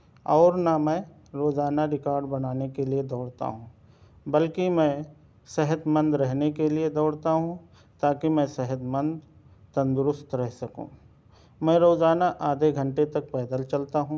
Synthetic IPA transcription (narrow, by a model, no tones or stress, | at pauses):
ɔːɾnamɛ̃ː | ɾoːd͡ʒaːnaɾɪkaːɾɖbɐnaːnekelied̪ɔːɽt̪a̰ɦũː | bɐlkimɛ̃ | sɛɦət̪mə̃nd̪ɾɛɦnekelied̪ɔːɽt̪aɦũ | t̪aːkimɛ̃sɛɦət̪mə̃nd̪ | t̪ɐ̃nd̪ʊɾʊst̪ɾɛɦsɐkṵ̃ː | mɛ̃ːɾoːd͡ʒaːnaʔaːd̪ʱeɡʱɐ̃ɳʈet̪ɐk̚pɛːd̪əlt͡ʃɐlt̪aɦũ